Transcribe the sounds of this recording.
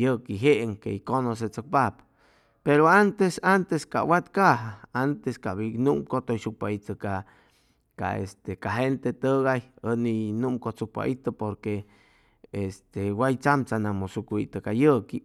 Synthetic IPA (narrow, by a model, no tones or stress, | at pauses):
jəkiɦeʔeŋkḛikonos̬et͡sok̚pap | peɾoant̪esant̪eska̰wat̪kaɦaant̪eskaβinumkot̪ojsuk̚pait̪əka | ka̰ḛst̪ekaɦent̪et̪əɣajəninumkot͡suk̚pa̰ʔit̪əpoɾke | est̪ewajt͡samt͡sanamosukʷḭt̪əkajəki